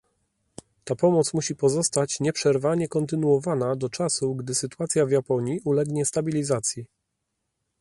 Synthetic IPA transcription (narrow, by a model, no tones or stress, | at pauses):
t̪apɔmɔt̪smuɕipɔzɔst̪at͡ɕɲɛpʂɛɾvaɲɛkɔnt̪ɘnuɔvanad̪ɔt͡ʂasuɡd̪ɘsɘt̪uat̪sʲjavjapɔɲiʔulɛɡɲɛst̪abʲilʲizat̪sʲji